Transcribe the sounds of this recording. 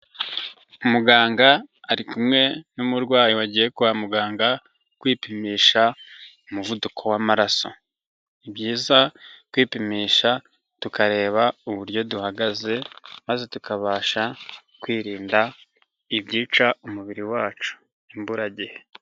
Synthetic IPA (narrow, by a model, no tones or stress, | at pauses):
umuɡaːŋɡaːɾikumŋe̞numuɾɡwaːjiwaɟiːje̞kuβamuɡaːŋɡa | kwiːpimiːʃaumuvudukʰo̞wamaɾaso̞̰ | ibjiːzakwiːpimiːʃa | tukaɾe̞ːβauβuɾjo̞duhaɡaze̞maze̞tukʰaβaːʃa | kwiːɾiːnda | ibɟiːt͡ʃaumuβiɾiwaːt͡ʃu̥ | imbuɾaɟihe